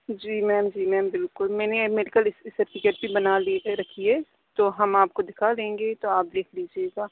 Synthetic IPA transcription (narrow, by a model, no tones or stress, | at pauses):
d͡ʒiːmɛːmd͡ʒiːmɛ̃ːmbɪlkʊlmɛ̃ːnemeɖikəlɪsɪsəɾʈɪkeʈ̚bʱibɐnaliɾɐkʰiɦɛː | t̪oɦɐmaːp̚kod̪ɪkʰalẽːŋɡet̪oaːp̚d̪eːkʰliːd͡ʒieːɡaː